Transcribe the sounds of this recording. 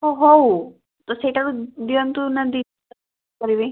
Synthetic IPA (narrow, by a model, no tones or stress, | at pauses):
ɦoɦow | t̪ɔseiʈaɾud̪iɔnt̪unad̪i | kɔɾibe